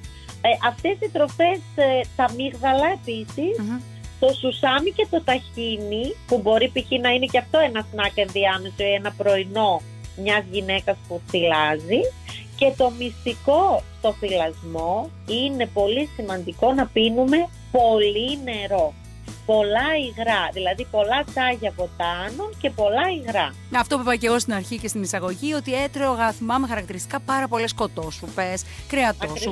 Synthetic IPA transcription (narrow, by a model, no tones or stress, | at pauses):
ʔɐft̪e̞sit̪ɾo̞fe̞sθɐmiɣɣɐlɐe̞pisis | t̪o̞susɐmice̞t̪o̞t̪ɐçinipubo̞ɾipiçinɐine̞ceɐft̪o̞e̞nɐsnɐkenðiɐme̞so̞ie̞nɐpɾo̞ino̞ | mɲɐzʝine̞kɐspuθilɐzice̞t̪o̞mist̪iko̞st̪o̞θilɐzmo̞ | ine̞po̞lisimɐnd̪iko̞nɐpinume̞ | po̞line̞ɾo̞ | po̞lɐiɣɾɐðilɐðipo̞lɐt͡sɐʝɐvot̪ɐnoce̞po̞lɐiɣɾɐ | ɐft̪opevɐce̞ɣo̞st̪inɐɾçice̞st̪inisɐɣo̞ʝio̞t̪ie̞t̪ɾeooɣɐθimɐme̞xɐɾɐkt̪iɾist̪ikɐpɐɾɐpo̞le̞sko̞t̪o̞supe̞s | kɾeɐt̪os